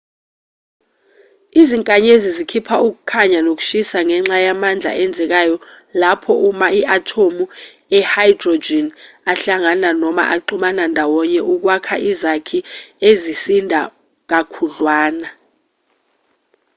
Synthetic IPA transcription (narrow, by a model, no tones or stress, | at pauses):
iziŋkʼaɲezizikʰipʰauk̬u̥kʰaɲanok̬u̥ʃisaŋɛŋ͡ǁajamand͡ɮʱa̰ʔɛnd͡zʱɛk̬ajɔ | lapʰɔumaiʔatʰomu | ɛhajdrod͡ʒinaɬaŋananɔma̰ʔaǃumanandʱawɔɲɛʔuk̬wakʰaʔizakʰiezisindʱa | k̬akʰuɮwaːna